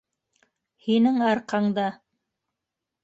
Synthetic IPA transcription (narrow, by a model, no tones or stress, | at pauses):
hinɘŋɑɾqɑɴd̪ɑ